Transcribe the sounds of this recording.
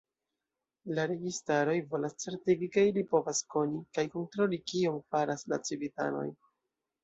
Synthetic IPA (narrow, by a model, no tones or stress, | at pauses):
laɾe̞ɡistaɾo̞jvo̞last͡se̞ɾtiɡikeilipo̞vasko̞nikajko̞ntɾo̞likio̞mfaɾasla̰t͡sivita̰no̞̰j